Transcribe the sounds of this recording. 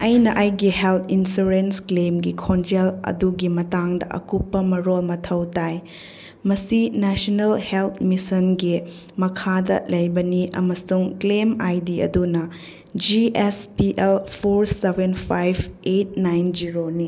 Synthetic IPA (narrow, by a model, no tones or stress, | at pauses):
ɐjnɐʔajɡihelt̪ʰinsuɾensklemɡikʰond͡ʒelɐ̰duɡimɐtaŋdɐ̰ʔɐ̰kupːɐmɐɾolmɐtʰɐwtaj | mɐsinɛsonelhelt̪ʰmisɐnɡi | mɐkʰadɐ̰lɐjbɐniʔɐ̰mɐsuŋklemajdiɐ̰dunɐ | d͡ʒiʔespiʔelpʰoɾsebenpʰajbet̚najnd͡ʒiɾoni